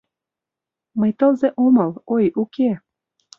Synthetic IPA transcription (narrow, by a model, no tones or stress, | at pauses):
məjt̪ɤ̆lzeʔomɤ̆lojukʰe